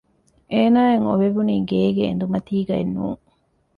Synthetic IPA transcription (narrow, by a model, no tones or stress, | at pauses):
ʔeːnaːeŋoʋeʋuniːɡeːɡeḛnd̪umɐt̪iːɡɐḛnːṵːŋ